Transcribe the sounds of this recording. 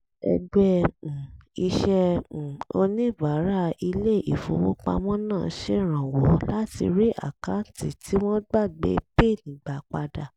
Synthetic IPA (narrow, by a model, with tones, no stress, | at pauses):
ɛ̰˧du˦ɛ˧˨i˧ʃɛ̃˧˨ | o˧nĩ˦˨va˨˦ɾa˦i˧le˦˨i˨fṵ̃˨˦wu˦k͡pa̰˧mɔ̃˦nãː˦˨˦ʃe˦˨ɾ̃ã˨wɔ˨˦la˦tḭ˧ɾi˦ʔa̰˦˨ka˨˦˨ti˨tʰi˦w̃ɔ̃˦ɡ͡ba˦˨ɡ͡bḛ˧˦pe˦˨nĩ˨ɡ͡ba˨k͡pa˧da˨